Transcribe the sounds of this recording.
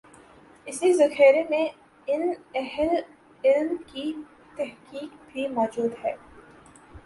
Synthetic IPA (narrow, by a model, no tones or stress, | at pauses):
ɪsizɐxɛːɾemẽ | ɪnɛɦl | ɪlmki | t̪ɛɦkiːkbʱimɔːd͡ʒuːd̪ɦɛː